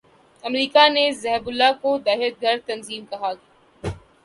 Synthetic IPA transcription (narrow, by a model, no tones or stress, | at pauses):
ɐmɾiːkanezɛɦbʊlːakod̪aːɦɪət̪̚ɡʱɐɾt̪ɐnziːmkɐɦaː